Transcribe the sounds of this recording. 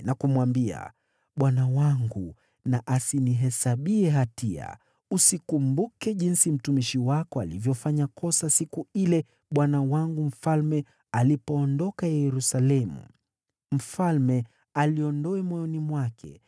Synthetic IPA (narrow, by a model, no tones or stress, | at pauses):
nakumwambia̰ | ɓwanawaŋɡu | naʔasiniɦɛsaɓiɛɦatia̰ | usikumbukɛʄinsim̩tumiʃiwakɔalivjɔfaɲakɔsasikuilɛ | ɓwanawaŋɡum̩falmɛ | alipɔːndɔkajɛɾusalɛmṵ | m̩falmɛ | aliɔndɔɛmwɔjɔnimwakʰɛ̰